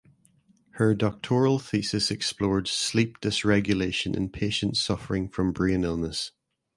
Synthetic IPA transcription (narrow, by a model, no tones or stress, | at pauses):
hə˞dɔk̚tʰɔɹəlˠθisɪsɛksplˠɔɹd̥slˠip̚d̥ɪsɹɛɡjəlˠeʃə̃nʔɪ̰̃npʰeʃə̃ntsʌfəɹɪ̃ŋfɹə̃mbɹiə̃nɪlˠnəs